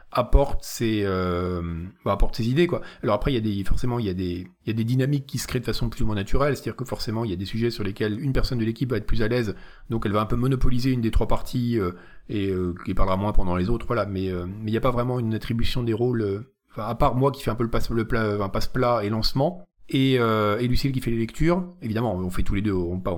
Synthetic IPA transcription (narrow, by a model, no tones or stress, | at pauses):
apɔʁt̪seømbaːpɔʁt̪sezid̪ekwaalɔʁapχɛiljad̪efɔʁsemɑ̃iljad̪eiljad̪ed̪inamikːisə̥kχed̪əfasɔ̃pyzumɑ̃nat̪yʁɛlset̪ad̪iʁkəfɔʁsemɑ̃iljad̪esyʒɛsyʁlekʲɛlynpɛʁsɔnd̪əlekʲipvaɛt̪χplyzalɛz | d̪ɔ̃kɛlvaɛ̃pømɔnɔpɔlizeynd̪et̪χwapaʁt̪ʰiø | eøkipaʁləʁamwɛ̃pɑ̃d̪ɑ̃lezot̪χvwalamɛømɛiljapavʁɛmɑ̃ynat̪χibysjɔ̃d̪eʁolø | ɑ̃fɛ̃apaʁmwakʲi̥fɛɛ̃pøləpasləplafɛ̃pasplaelɑ̃smɑ̃eøelysilk̬ʲifɛlelɛkt̪yːʁevid̪amɑ̃ɔ̃fɛt̪uled̪øɔ̃pa